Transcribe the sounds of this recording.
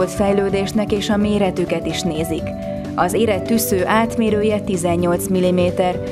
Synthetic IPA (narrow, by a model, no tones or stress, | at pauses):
ot̪fɛjløːd̪eːʃnɛkeːʃɒmeːɾɛt̪ykɛt̪iʃneːzik | ɒzeːɾɛt̪ːysøːʔaːt̪meːɾøːjɛt̪izɛɲːo̞lt̪smilimeːt̪ɛr